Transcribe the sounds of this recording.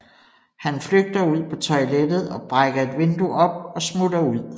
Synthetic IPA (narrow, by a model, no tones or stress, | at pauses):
hænfløɡ̥̚d̥ɐuð̞̰ˠpʰɒ̽t͡sʰɒ̽ɪled̥ð̞̩ˠɒ̽b̥ʁaɡ̥ɐe̝d̥ʋe̝nd̥uʔɒ̽b̥ɒ̽smudɐuð̞̰ˠ